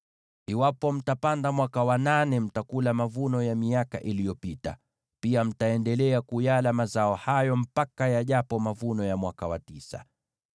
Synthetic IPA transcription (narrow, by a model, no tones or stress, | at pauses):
iwapɔm̩tapandamwakawananɛm̩takulamavunɔjamiaka̰ʔilijɔpita̰ | piam̩taɛndɛlɛakujalamazaɔhajɔm̩pakajaʄapɔmavunɔjamwakawa̰tisa̰